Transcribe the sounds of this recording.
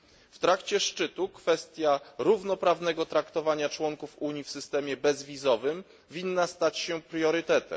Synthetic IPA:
ft̪ɾakt͡ɕɛʂt͡ʂɘt̪ukfɛst̪ʲjaɾuvnɔpɾavnɛɡɔt̪ɾakt̪ɔvaɲat͡ʂwɔŋkufuɲifsɘst̪ɛmʲjɛbɛzvʲizɔvɘm | vʲinːast̪at͡ɕɕɛpɾjɔɾɘt̪ɛt̪ɛ̰m

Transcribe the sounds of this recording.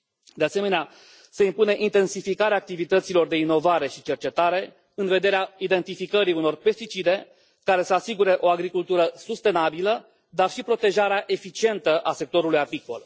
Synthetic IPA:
d̪e̞ase̞me̞nea | se̞impune̞ʔint̪e̞nsifikaɾeaːk̚t̪ivit̪ət̪silo̞rd̪e̞ino̞vaɾe̞ʃit͡ʃe̞rt͡ʃe̞t̪aɾe̞ | ɨnve̞d̪e̞ɾeaid̪e̞nt̪ifikəɾiuno̞rpe̞st̪it͡ʃid̪e̞ | kaɾe̞səasiɡuɾe̞ʔo̞aɡɾikult̪uɾəsust̪e̞nabilə | d̪arʃipɾo̞t̪e̞ʒaɾeaʔe̞fit͡ʃie̞nt̪əʔase̞k̚t̪o̞ɾulujapiko̞̰l

